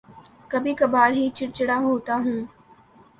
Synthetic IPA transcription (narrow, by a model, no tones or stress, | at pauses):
kɐbʱikɐbaːɾɦit͡ʃɪɾt͡ʃɽaɦoːt̪aɦũː